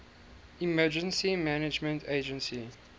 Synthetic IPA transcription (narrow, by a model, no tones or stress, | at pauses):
imɜd͡ʒə̃nsimænɪd͡ʒmə̃ntʰeːd͡ʒə̃nsi